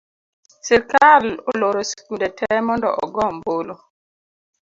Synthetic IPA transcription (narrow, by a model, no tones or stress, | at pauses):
sɛɾkaloloɾoskundɛtʰɛmɔndɔ̰ʔɔ̰ɡɔmbolo